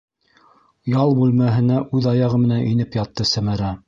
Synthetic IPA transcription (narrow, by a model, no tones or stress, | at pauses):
jɑlˠbʉlmæɦɘ̆næʔʉðɑjɑʁɤmɘ̆nænʔinɘpjɑt̪ːɤsæmæɾæ